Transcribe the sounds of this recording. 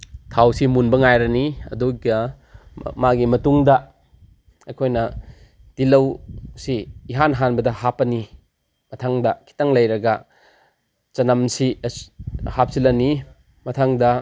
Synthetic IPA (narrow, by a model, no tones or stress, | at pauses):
tʰawsimunbɐŋajɾɐniɐ̰duɡɐ | maɡimɐtuŋdɐ | ɐjkʰojnɐ | d̥ilɐwsiːɦanɦanbɐdɐhapɐni | mɐtʰaŋdɐkʰi̥tɐŋlɐjɾɐɡɐ | t͡ʃɐnɐmsi | hap̚silɐni | mɐtʰaŋdɐ